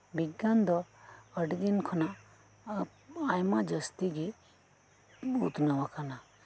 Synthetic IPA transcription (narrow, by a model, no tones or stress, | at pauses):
biɡːand̪ɔəʈd̪inkʰɔna | ajmad͡ʒəst̪iɡi | ut̪nawakana